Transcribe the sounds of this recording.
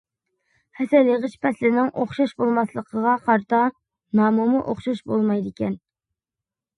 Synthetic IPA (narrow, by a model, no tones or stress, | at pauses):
hɛsɛləʁəʃpʰɛslɪnɪŋʔoχʃɑʃbolˠmɑslˠəqʰəʁɑqʰɑɾt̪ɑ | nɑːmumuʔo̰χʃɑʃbolˠmɑjd̪ɪkʲɛn